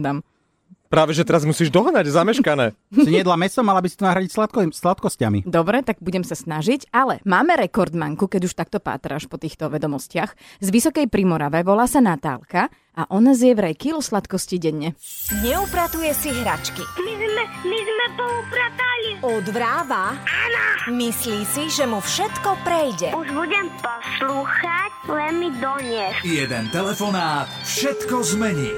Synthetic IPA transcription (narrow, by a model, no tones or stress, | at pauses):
d̪am | pɾaːʋɛʒɛt̪ɛɾazmusiːʒd̪ɔɦnaɟzamɛʃkanɛːɲɛd̪lamɛsɔmalabisi̥t̪ɔnaɦɾaɟicslat̪kslat̪kɔscamḭd̪ɔbɾɛt̪aɡ̚buɟɛmsasnaʒiɟalɛ̰maːmɛɾɛkɔɾd̪ma̰ŋkukɛɟuʃt̪ak̚t̪ɔpa̰ːt̪ɾa̰ʃpɔt̪iːxt̪ɔʋɛd̪ɔmɔscɪax | zʋisɔkɛjpɾimɔɾaʋɛʋɔlaːsanat̪a̰ːlka | ʔaʔɔnazjɛʋɾɛjkilɔslat̪kɔsciɟɛɲːɛɲɛupɾat̪ujɛsiɦɾa̰t͡ʃkimizmɛmizmɛpɔupɾat̪aliud̪ʋɾaːʋaanɔmisliːsiʒɛmufʃɛt̪kɔpɾɛjɟɛuʒbuɟɛmpɔsluːxaclɛmmid̪ɔɲɛxjɛd̪ɛnt̪ɛlɛfɔnaːt̪fʃɛt̪kɔzmɛɲiː